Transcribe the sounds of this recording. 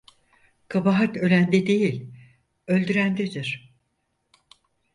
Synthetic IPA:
kʰabaɦat̪ø̞lʲænd̪ed̪e̞jilʲ | ø̞lʲd̪yɾænd̪ed̪iɾ̥

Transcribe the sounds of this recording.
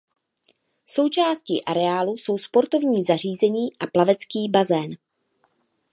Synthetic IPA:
so̞wt͡ʃaːsciːʔaɾɛaːluso̞wspo̞ɾt̪o̞vɲiːzar̝iːzɛɲiːʔaplavɛt͡skiːbazɛːn

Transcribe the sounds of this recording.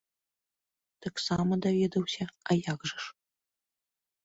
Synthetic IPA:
t̪ɐksamɐd̪avʲed̪ɐwsʲɐajaɣʐɨʂ

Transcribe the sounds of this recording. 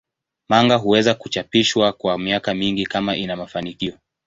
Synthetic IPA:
maŋɡaɦuwɛzakut͡ʃapiʃwakwamiakamiŋɡikamaʔinamafanikiɔ

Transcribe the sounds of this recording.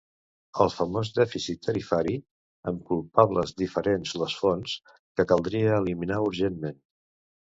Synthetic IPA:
əlˠfəmozðɛfisit̪ʰːəɾifaɾi | əmkulˠpaβləzðifəɾenzləsfons | kəkəlˠd̪ɾiəːliminauɾʒenmen

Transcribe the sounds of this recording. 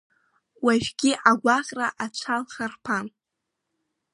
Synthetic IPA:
waʒɡ̥ʲiʔaɡʷaχʲʼraʔat͡ʃʷʰalχarpʰan

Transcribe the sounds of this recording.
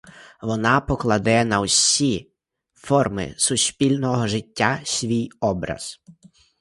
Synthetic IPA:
ʋɔnɑpɔklˠɐd̪ɛnɐwsʲi | fɔrmɪ̰sʊsʲpʲilʲnɔɦɔʒɪtʲːasʲʋʲijɔbɾɐ̰z̥

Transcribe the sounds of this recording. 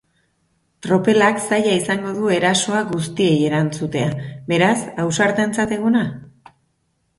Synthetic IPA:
t̪ɾo̞pe̞laksaʎaisaŋɡo̞ðue̞ɾaso̞aɣust̪ie̞je̞ɾant͡sut̪e̞abe̞ɾasawsaɾt̪e̞nt͡sat̪e̞ɣ̞una

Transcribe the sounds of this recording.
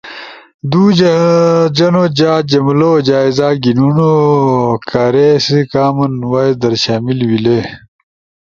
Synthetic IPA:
d̪uː | d͡ʑɐnod͡ʑaːd͡ʑɐmlod͡ʑaːizaːɡinuno | kʰaːɾesikaːmɐnwaed̪ɐɾɕaːmilwile

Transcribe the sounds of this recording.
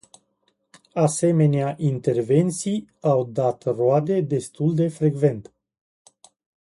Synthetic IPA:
ase̞me̞neaʔint̪e̞rve̞nt̪sijawd̪at̪road̪e̞d̪e̞st̪uld̪e̞fɾe̞ɡve̞nt̪

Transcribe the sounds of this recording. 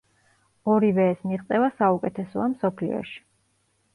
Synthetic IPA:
ɔɾivɛːsmiʁt̪sʼɛvasaukʼɛt̪ʰɛsɔamsɔpʰlḭɔ̰ʃi̥

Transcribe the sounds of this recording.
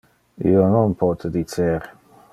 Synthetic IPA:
ḭonɔnpʰɔt̪ʰəd̪it͡seɾ

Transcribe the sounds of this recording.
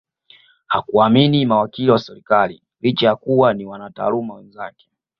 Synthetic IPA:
hakuaminimawakiliwasɛɾikali | lit͡ʃajakuwaniwanata̰ːlumawɛnzakɛ̥

